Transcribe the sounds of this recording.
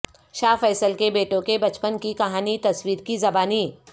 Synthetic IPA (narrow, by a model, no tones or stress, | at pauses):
ʃaːfɛːsəlkebeːʈõkebɐt͡ʃpənkikɐɦaːnit̪ɐswiːɾkizɐbaːniː